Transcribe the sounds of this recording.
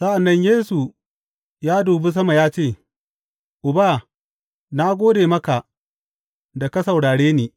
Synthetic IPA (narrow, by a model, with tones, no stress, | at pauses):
sɐ˦ʔa˨nːɐ˦ɲjeː˦su˨ | jaː˦duː˨be˦s̬ɐ˦ma˨jaː˦t͡ʃeː˦˨ | ʔʊ˨baː˦˨ | na˦ɡʷoː˦deː˨mɐ˦ka˨ | da˨ka˦sɐ˨wɽaː˨ɽeː˦neː˨